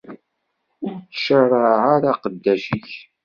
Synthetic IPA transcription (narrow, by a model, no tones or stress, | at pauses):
ʊɾt͡sːə̥ʃərˤəʕaɾaqəd̪ːæʃiç